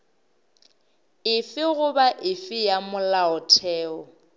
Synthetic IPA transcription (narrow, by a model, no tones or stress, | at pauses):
ɪfɪɣʊbaʔɪfɪjamʊlaʊtʰɛːɔ